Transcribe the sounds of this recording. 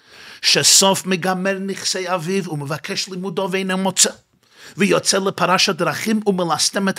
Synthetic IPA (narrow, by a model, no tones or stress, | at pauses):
ʃɛsɔfmɪɡamɛɾnɪχseɪavɪvʊməvakʰɛʃlˠɪmudɔveɪnɛmɔt͡sə | vijɔt͡sɛlˠəpʰaɾaʃadɾaχɪmʊnmɪlˠastɛmət